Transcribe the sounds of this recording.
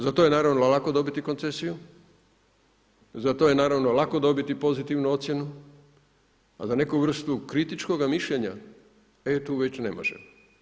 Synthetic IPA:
zat̪oje̞naːɾaʋnollako̞d̪o̞bit̪iko̞nt̪sesiju | zat̪ojenaːɾaʋnolako̞d̪o̞bit̪ipo̞zit̪iʋnuo̞t̪sjenu | a̰zane̞kuʋr̩st̪ukɾit̪it͡ʃko̞ɡamiʃʎeɲa̰ | et̪uːʋe̞t͡ɕne̞mo̞̰ʒḛ

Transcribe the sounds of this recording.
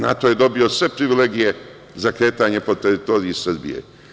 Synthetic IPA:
na̰t̪o̞je̞d̪o̞bio̞sʋe̞pɾiʋileɡije̞ | zakɾe̞ːt̪aɲe̞po̞t̪eɾit̪o̞ːɾiisr̩bḭjḛ

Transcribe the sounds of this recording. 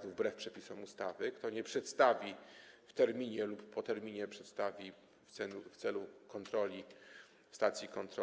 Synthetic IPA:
nuvbɾɛfpʂɛpʲisɔmust̪avɘkt̪ɔɲɛpʂɛt̪st̪avʲift̪ɛɾmʲiɲɛlupːɔt̪ɛɾmʲiɲɛpʂɛt̪st̪avʲi | ft̪sɛuft̪sɛlukɔnt̪ɾɔlʲi | fst̪at̪sʲjikɔnt̪ɾɔ

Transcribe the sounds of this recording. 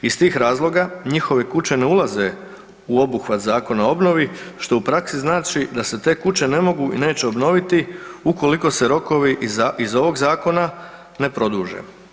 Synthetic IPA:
ist̪iːxɾaːzlˠo̞ɡaɲixo̞ʋe̞kut͡ɕe̞ne̞ulˠaze̞ | uo̞buxʋat̪zaːko̞nao̞bno̞ʋiʃt̪o̞upɾaksiznaːt͡ʃid̪ase̞t̪e̞ːkut͡ʃe̞ne̞mo̞ɡuḭne̞ːt͡ɕeo̞bno̞ʋit̪iuko̞liko̞se̞ɾo̞ko̞ʋiaizo̞ʋo̞ɡzaːko̞na | ne̞pɾo̞d̪uːʒḛ

